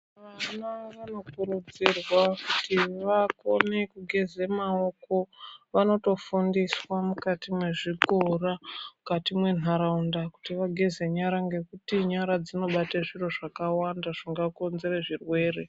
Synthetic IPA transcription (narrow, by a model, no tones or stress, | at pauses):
ʋanaʋano̞kuɾud͡zirwakutʰiʋakone̞kuɡʱezemao̞ko̞ʋano̞to̞fundiswamukatimwe̞ʐikoramukatimwe̞naɾaundaku̥tiʋaɡʱeze̞ɲaɾaŋɡe̞kutiɲaɾad͡zino̞ɓataʐiroʐakawandaʐ̥iŋɡakonze̞reʐirwe̞ːre̞